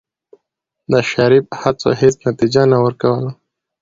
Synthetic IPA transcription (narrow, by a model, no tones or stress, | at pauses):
d̪əʃɑɾib̚hat͡so̰hɪsnat̪id͡ʒanawəɾkawəla